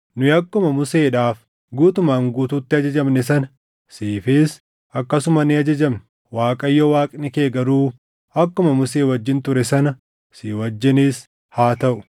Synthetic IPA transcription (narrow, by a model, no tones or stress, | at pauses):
nʊjɐkːʊmɐmʊseːᶑaːf | ɡuːt̪ʊmaːŋɡuːt̪uːt̪ːɪɐd͡ʒɐd͡ʒɐmnɛs̬ɐnɐ | siːfiːs | ɐkːɐsʊmɐnɪɐd͡ʒɐd͡ʒɐmn | waːkʼɐjːɔwaːkʼnɪkeːɡɐɾuː | ɐkːʊmɐmʊseːwɐd͡ʒːɪnt̪ʊɾɛsɐnɐ | siːwɐd͡ʒːɪniːs | haːt̪ɐʔʊ̥